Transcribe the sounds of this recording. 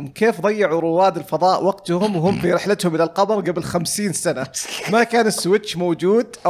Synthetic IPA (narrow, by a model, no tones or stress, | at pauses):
mkeːfd̪ˤɑjːɑʕuɾˤʊwaːd̪ɪlfɑðˤɑːʔwɑɡt̪ʊhʊmwɦʊmːfiɾɪħlɪt̪hʊmʔɪlalqɑmɑɾˤɡabɪlxamsiːnsanamakaːnɪsːʊwɪt͡ʃʃːmowd͡ʒuːd̪ʔa